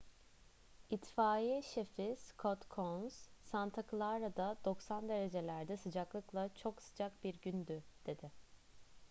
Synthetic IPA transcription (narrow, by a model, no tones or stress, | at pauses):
it̪faːjiʃefiz̥kʰot̪kʰonz̥sant̪ʰakʰɯlˠaɾad̪ad̪̥o̞ksand̪e̞ɾe̞d͡ʒe̞lʲæɾd̪ɛsɯd͡ʒaklˠɯklˠat͡ʃʰo̞ksɯ̥d͡ʒakbiɾɟynd̪yd̪̥e̞d̪ɪ